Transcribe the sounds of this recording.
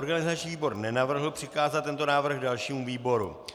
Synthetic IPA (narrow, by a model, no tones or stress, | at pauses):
oɾɡanɪzat͡ʃɲiːviːbo̞ɾnɛnavr̩ɦl̩pr̝̥ɪkaːzat̪ːɛnt̪o̞naːvr̩ɣdalʃiːmuviːbo̞ɾṵ